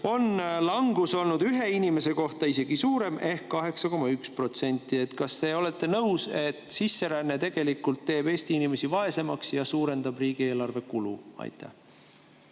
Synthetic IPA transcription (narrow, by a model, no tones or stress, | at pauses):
o̞nlɑŋɡ̥uso̞lnud̪yɦe̞inʲimese̞ko̞ht̪ɑise̞ɡ̥isuːɾe̞me̞hkːɑɦe̞ksɑko̞mɑykspro̞t̪se̞nʲt̪ːˑie̞t̪kɑst̪e̞o̞le̞t̪ːˑe̞nɤwse̞t̪sisːe̞ɾænːe̞t̪e̞ɡ̥e̞likːult̪ːe̞ːb̥e̞ːst̪iinime̞sivɑe̞se̞mɑksjɑsuːɾe̞nd̪̥ɑbriːɡ̥ie̞ːlɑrve̞kulṵɑ̰jt̪ʰˑːæ̰h